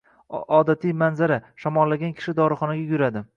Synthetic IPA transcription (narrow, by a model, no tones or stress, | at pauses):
ɒd̪at̪ʰijmanzaɾaʃɒmɒlːaɡʲankʲʰɪ̥ʃɪd̪ɒɾɨχɒnaɡʲajʊɾad̪ɪ